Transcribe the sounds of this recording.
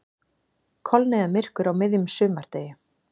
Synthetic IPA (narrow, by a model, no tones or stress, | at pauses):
kʰɔlnɛðamɪr̥kʏɾawmɪðjʏmsʏːmaɾ̥t̪eːjɪ